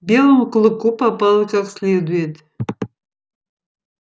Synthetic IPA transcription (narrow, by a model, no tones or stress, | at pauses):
bʲelˠəmklˠɨkupapalˠɨkaksʲlʲed̪ujet̪